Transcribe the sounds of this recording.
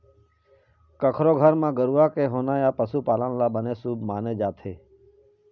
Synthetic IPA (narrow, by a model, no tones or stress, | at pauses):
kəkʰɾoːɡʱəɾmãːɡəɾuːaːkeːɦoːnaːjaːpəsuːpaːlənlaːbəneːsuːbmaːneːd͡ʒaːt̪ʰeː